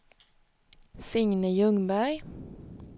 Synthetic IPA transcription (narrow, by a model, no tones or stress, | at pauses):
sɪŋnəjɵŋbæɾj